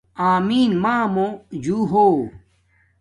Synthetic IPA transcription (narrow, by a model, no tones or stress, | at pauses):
aːmiːnmaːmod͡ʑuːɦo